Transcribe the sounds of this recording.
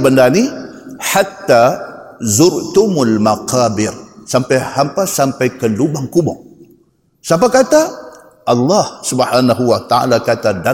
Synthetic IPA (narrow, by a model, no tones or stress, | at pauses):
bəndani | ħat̪ːa | zʊɾt̪ʊmulmaqabɪrsampajhampasampajkəlubaŋkubɔ̰ŋ | sapakat̪a | ʔɑlːɑhsubħaːnaɦuwat̪aa̰lakat̪ada